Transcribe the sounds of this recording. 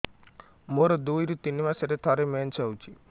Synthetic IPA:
moɾɔd̪ujɾut̪inimaseɾet̪ʰɔɾement͡ʃʰawt͡ʃʰi

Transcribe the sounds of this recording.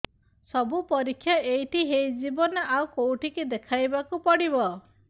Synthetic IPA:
sɔbupɔɾikʰːjaejʈʰiɦejd͡ʒibɔnɔʔawkowʈiked̪ekʰajbakupɔɽiβɔ

